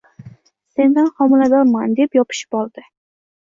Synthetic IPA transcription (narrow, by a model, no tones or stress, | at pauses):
se̞nd̪anχɒmɪlad̪ɒɾmand̪epjɒpʰɪ̥ʃɪ̥pɒlˠd̪ɪ